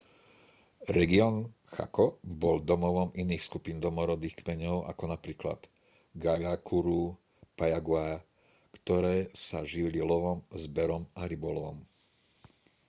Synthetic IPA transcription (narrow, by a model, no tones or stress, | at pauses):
ɾɛɡiɔːnxa̰kɔbɔld̪ɔmɔʋɔminiːxskupiːnd̪ɔmɔɾɔd̪iːxkmɛɲɔʊa̰kɔnapɾiːkla̰d̪̥ | ɡaʎakuɾu | pajaɡʊaja | kt̪ɔɾɛːsaʒililɔʋɔmzbɛɾɔmaɾibɔlɔʋɔm